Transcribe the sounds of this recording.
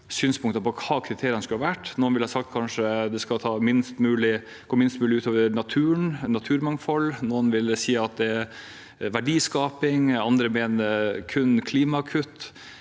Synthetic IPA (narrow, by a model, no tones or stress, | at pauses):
syːnspʰʊŋkt̪ɑpɔkʰɑːkʰɾɪt̪ʰeːɾɪənskʉlɑʋæʈːnuːnʋɪlhɑsɑk̚t̪̚kʰɑnʂəd̪ɛskɑt̪ʰɑːmɪnst̪mʉːlɪ | ɡ̥oːmɪnst̪mʉːlɪʉːt̪oːʋəɾnɑt̪ʰʉːəɳnɑt̪ʰʉːɾmɑŋfɔlːnuːənʋɪld̪ɛsiːɑt̪̚d̪ɛæɾ | ʋæɖiːskɑːpɪŋɑnd̪ɾəmeːnəɾkʰʉnːkʰliːmɑɑkʰʉt̪ː